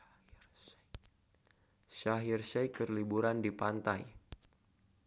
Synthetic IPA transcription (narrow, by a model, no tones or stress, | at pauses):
ʃaɦirsɛjkərlibuɾandipant̪aj